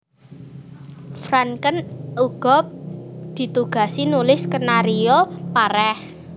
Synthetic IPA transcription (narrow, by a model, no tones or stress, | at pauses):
fɾankənuɡ̥ɔ̤p̚d̪̥i̤t̪uɡ̥a̤sinulɪskənaɾiopaɾɛh